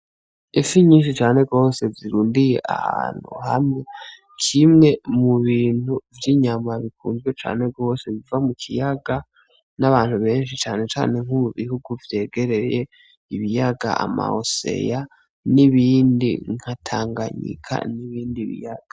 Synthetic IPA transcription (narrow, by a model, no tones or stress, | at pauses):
efiɲiːnʃ̬it͡ʃaːne̞ɡo̞ːse̞ziɾuːndije̞ʔa̰ha̰ːn̥hṵha̰mŋe̞ | kʰimŋe̞muβiːn̥uvjiɲamaβikʰuːnzɡwe̞t͡ʃa̰ːne̞ɡo̞ːse̞βivamukʰijaɡa | naβaːnhuβe̞ːnʃit͡ʃaːne̞t͡ʃa̰ːne̞ŋuuβihuɡuvje̞ːɡe̞ɾe̞je | iβijaɡa̰ama̰o̰se̞̰ja | niβiːndḭŋ̥hatʰaːŋɡaɲḭkʰa̰niβiːndiβḭjaɡ̥a